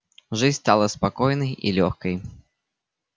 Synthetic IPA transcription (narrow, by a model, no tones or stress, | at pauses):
ʐɨt͡sʲst̪alˠɐspakɔjnɐjʔḭlʲɔxkɐj